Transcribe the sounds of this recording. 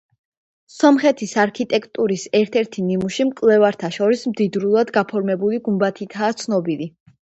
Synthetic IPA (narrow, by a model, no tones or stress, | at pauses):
sɔmχɛt̪ʰisaɾkʰit̪ʼɛkʰt̪ʼuɾisɛɾt̪ʰɛɾt̪ʰinimuʃimkʼlɛvaɾt̪ʰaʃɔɾismd̪id̪ɾulˠad̪ɡapʰɔɾmɛbuliɡumbat̪ʰit̪ʰaːt̪sʰnɔbili